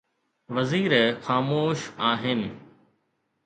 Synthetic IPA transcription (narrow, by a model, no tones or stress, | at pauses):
ʋɐziːɾxaːmoːʃaːɦɪnɪ̆